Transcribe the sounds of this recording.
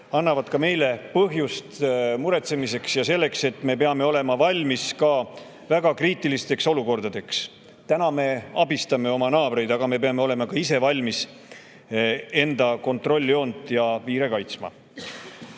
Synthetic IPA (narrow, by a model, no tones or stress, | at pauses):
ɑnːɑvɑd̪̥kɑme̞jle̞pɤɦjust̪muɾe̞t̪se̞mise̞ksjɑse̞lːe̞kse̞t̪ːˑme̞pe̞ɑme̞o̞le̞mɑvɑlʲmiskɑ | væɡ̥ɑkriːt̪ːˑilist̪e̞kso̞luko̞rd̪̥ɑd̪̥e̞ks | t̪ænɑme̞ɑbist̪ɑme̞o̞mɑnɑːb̥ɾe̞jd̪̥ɑɡ̥ɑme̞peɑme̞o̞le̞mɑkɑise̞vɑlʲmis | e̞nd̪̥ɑko̞nt̪ˑro̞lʲːio̞ːnd̪jɑviːɾe̞kɑjt̪smɑ̰